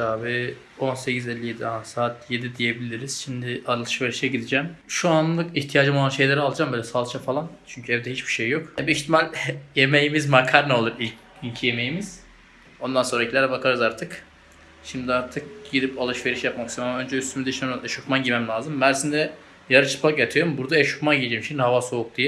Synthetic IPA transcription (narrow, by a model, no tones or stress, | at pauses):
aːbi | o̞nsecʰizelʲːije̞d̪iasaːt̪ʰje̞d̪id̪ije̞bilʲiɾiz̥ʃimd̪iʔaɾɯlˠɯʃve̞ɾiʃɛɟid̪id͡ʒɛmʃuanllˠɯkiçt̪ʰijaːd͡ʒɯmoanʃe̞jlʲeɾɛalˠad͡ʒambøːlʲɛsalˠt͡ʃʰafalˠant͡ʃʰyɲcʰyɛvd̪ɛhit͡ʃbi̥ʃejːo̞khɛbiiçt̪ʰimalʲjemejimizmakʰaɾnɛo̞lˠuɾilʲc | ilʲcʰijeme̞jimiz̥ | o̞nd̪ansoɾacʰilʲɛɾɛbakʰaɾɯzaɾt̪ʰɯk | ʃimd̪iaɾt̪ʰɯk̚ɟ̥id̪ipalˠɯʃve̞ɾiʃjapmaksamamaønd͡ʒɛyst̪ʰymyd̪ɛʃnɛʃukmanɟimɛmlʲaːzɯmbæɾsind̪ɛ | jaɾɯt͡ʃʰɯ̥pʰˠakat̪ʰɯjoɾumbuɾd̪aɛʃukmanɟiid͡ʒejmʃimd̪iɦavaso̞uk̚d̪ijɛ